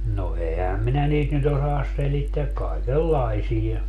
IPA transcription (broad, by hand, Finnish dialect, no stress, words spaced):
no ehæm minæ niːt nyt osɑːs selitːeæk kɑikelːɑisijɑ